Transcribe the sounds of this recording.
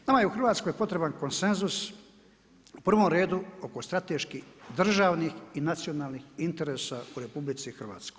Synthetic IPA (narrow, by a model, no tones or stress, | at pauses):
namaje̞uxr̩ʋaːt̪sko̞jpo̞t̪ɾe̞banko̞nse̞nzus | upr̩ʋo̞mɾe̞ːd̪uo̞ko̞st̪ɾat̪e̞ʃkid̪r̩ʒaːʋnixinat̪sio̞naːlˠnixint̪e̞ɾe̞ːsauɾe̞publit̪sixr̩ʋa̰ːt̪skoj